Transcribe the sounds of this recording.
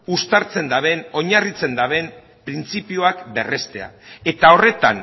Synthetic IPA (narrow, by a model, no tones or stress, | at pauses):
ust̪aɾt͡se̞nd̪aβe̞no̞ɲarit͡se̞nd̪aβe̞m | pɾint͡sipioakbe̞re̞st̪e̞a̰e̞t̪ao̞re̞t̪a̰n